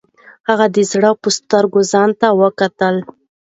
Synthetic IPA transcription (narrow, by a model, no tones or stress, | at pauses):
haɣad̪əzɽəpəst̪əɾɡozɑnt̪awəkat̪əl